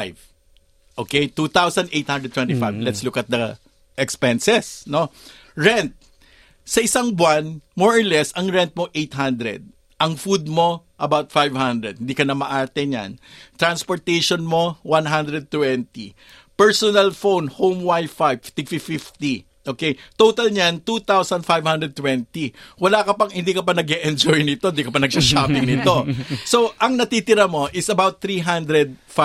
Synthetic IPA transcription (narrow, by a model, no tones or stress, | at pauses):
jv | ʔoːkejt̪ut̪awsɐnd̪ʔejt̪hand̪ɾɛd̪̚t̪wɛ̃nt̪ifajvlɛt̪slʊkɐt̪̚d̪ɐ | ʔɛkspɛnsɛsno | ɹɛnt̪̚ | sɐʔɪsaŋbwanmɔɹoɹlɛsɐŋɹɛnt̪̚moʔejt̪ɦand̪ɾɛ̰d̪̚ | ʔɐŋfud̪̚mo̞ʔɐbawt̪fajvhand̪ɾɛd̪̚hɪnd̪iːkɐnɐmɐʔaːt̪ɛɲa̰nt̪ɾɐnspoɹt̪ejʃonmo̞wanɦand̪ɾɛd̪̚t̪wɛnt̪ḭ | pɛɹsonɐlfownhowmwajfajvt̪ɪɡfifɪft̪i | ʔoːkejt̪oːt̪ɐlɲant̪ut̪awsɐnfajvhand̪ɾɛd̪̚t̪wɛnt̪iwɐlaːkɐpɐŋhɪnd̪iːkɐpɐnɐɡɛʔɛnd͡ʒojnɪt̪oɪnd̪ikɐpɐnɐɡ̚saʃaːpɪŋnɪt̪o̞soʔɐŋnɐt̪it̪ɪɾamo̞ʔɪsɐbawt̪̚θɾiɦand̪ɾɛd̪̚f